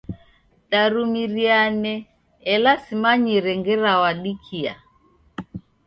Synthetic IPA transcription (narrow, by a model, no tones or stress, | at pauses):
ɗaɾumiɾianɛː | lasimaɲiɾɛŋɡɛɾawaɗikʰia̰